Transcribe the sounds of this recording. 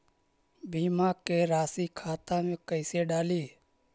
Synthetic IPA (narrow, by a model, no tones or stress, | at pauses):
bʱiːmaːkeːɾaːsiːkʰaːt̪ãːmẽkəɪseːɖaːliː